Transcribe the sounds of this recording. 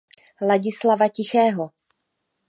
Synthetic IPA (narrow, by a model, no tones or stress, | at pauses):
laɟɪslavacɪxɛːɦo